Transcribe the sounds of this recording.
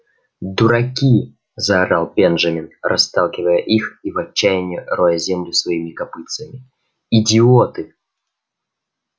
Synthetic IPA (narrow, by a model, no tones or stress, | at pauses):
d̪ʊɾɐkʲi | zɐɾalˠbʲenʐɐmʲɪnrʔɐ̰st̪ɑlˠkʲɪvəjəʔixivɐt͡ɕːæjɪnʲɪrojəzʲemlʲɪsvɐimʲɪkɐpɨt̪səmʲɪ | idʲɪot̪ɨ